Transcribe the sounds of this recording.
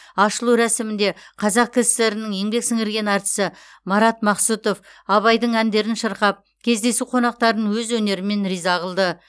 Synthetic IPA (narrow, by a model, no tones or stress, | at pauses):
ɑʃəlˠuwɾæsɪmɪnd̪e̞qʰɑzɑq̚kʲʰɪzɪ̥st̪e̞ɾɪnɪŋe̞ŋbe̞ksɪŋɪɾɡʲe̞nɑɾt̪ə̥sə | mɑɾɑt̪mɑqsut̪o̞fɑβɑjd̪əɴænd̪e̞ɾɪnʃəɾqɑp̚ | kʲʰe̞zd̪e̞suqʰo̞nɑq̚t̪ɑɾənwɵzwɵne̞ɾɪme̞nɾijzɑʁəlˠd̪ə